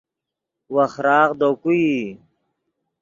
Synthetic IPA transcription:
wɐxɾaːɣd̪oːkui

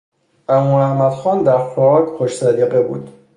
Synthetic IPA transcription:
ʔæmuːæhmæd̪xɒːnd̪æɾfɒʁɒːkxoʃsæd̪iːɣebṵːd̪̥

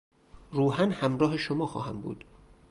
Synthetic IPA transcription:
ruːɦænhæmɾɒːɦe̞ʃomɒːxɒ̰ːhæmbṵːd̪̥

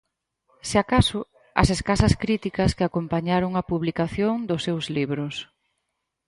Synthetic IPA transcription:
seakasʊ | ɐ̰seskasɐskɾit̪ikɐskɪakompaɲaɾʊŋɐpuβlikaθjoŋd̪ʊsːewzliβɾʊs

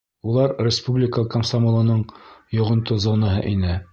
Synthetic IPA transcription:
ulˠɑɾrʲɪspublʲɪkəkəmsamolˠɤ̆nɤɴjŏʁɤ̆nt̪uzonɑɦɤ̰ʔinɘ

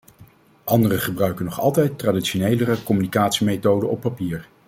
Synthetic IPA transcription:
ʔɑndərəχəbrœɥkənɔχɑ̰lˠtɛjtːraːditʃonejlərəkɔmynikaːtsimejtowdəɔpːapiːɹ

